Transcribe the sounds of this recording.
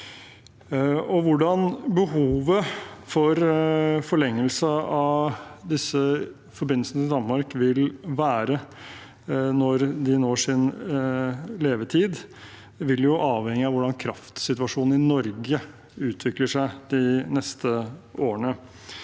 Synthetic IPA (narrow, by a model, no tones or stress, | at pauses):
ɔʋʊɖɑnbəhuːʋəfɔɾfɔɭɛŋːəlsəɑʋd̪ɪsə | fɔɾbɪnl̩snət̪ʰɪld̪ɑnmɑɾkʋɪlʋæːɾə | nɔɾd̪ɪnoːʂɪn | leːʋət̪ʰiːd̪ | ʋɪljʊʔɑːʋhɛŋːɪɑʋʊɖɑnkʰɾɑft̪sɪt̪ʉɑʂuːnn̩ɪnɔɾɡə | ʉːt̪ʰʋɪkləʂæɪd̪ɪnɛst̪əoːəɳə